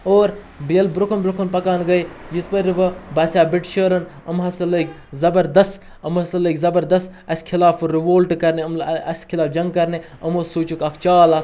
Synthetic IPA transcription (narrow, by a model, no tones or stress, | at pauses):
oːɾ | biɐlbɾukʰɐnbɾukʰunpɐkaːnɡɐjjispɐɾiʋɐbɐːsʲaːbiʈʃəːɾɐnɐmɦɐsɐlɐkʲ | zɐbɐɾd̪ɐst̪ | ɐmɦɐsɐlɐkʲzɐbɐɾd̪ɐst̪ | ɐsʲkʰilaːfɾiʋoːlʈkɐɾneɐmɐ̰skʰilaːfd͡ʒɐŋɡ̚kɐɾne | ɐmosuːt͡ʃukɐkʰt͡ʃaːlak